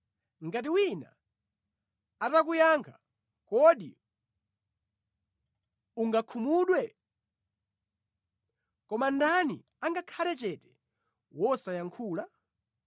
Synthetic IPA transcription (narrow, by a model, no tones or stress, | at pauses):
ŋɡat̬iwina̰ | atak̬ujaŋkʰḁ | kɔɗḭ | uŋɡakʰumuɗwɛ | kɔmandanḭ | aŋɡakʰalɛt͡ʃɛtɛ̥ | wɔsajaŋkʰuːla